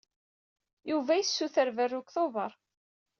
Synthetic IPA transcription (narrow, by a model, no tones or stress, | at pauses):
juvæjəsːuθəɾvərːʊkθoðə̰ɾˤ